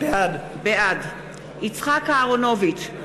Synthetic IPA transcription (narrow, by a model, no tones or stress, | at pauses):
b̥ead | beʔad | it͡sχakaːʁono̞vit